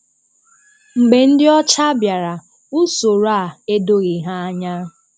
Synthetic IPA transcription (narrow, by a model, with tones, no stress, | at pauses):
ŋ͡m̩˨ɡ͡be˨n̩˦dɪ˦ɔ˦t͡ʃa˦bja˨ɾa˨ | u˦so˨ɾa˦˨e˦do˦ɣɪ˨ɦa˦a˦ɲa˦